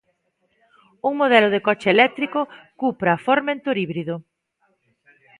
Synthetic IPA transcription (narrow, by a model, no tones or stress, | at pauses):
uŋmoð̞ɛlʊð̞ekɔt͡ʃeːlɛk̚t̪ɾikʊkupɾafoɾmẽnt̪oɾiβɾiðʊ